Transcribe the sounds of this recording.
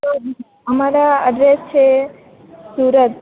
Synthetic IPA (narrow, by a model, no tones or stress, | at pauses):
o | əmaɾaə̰ɖɾest͡ʃʰe | suːɾət̪̚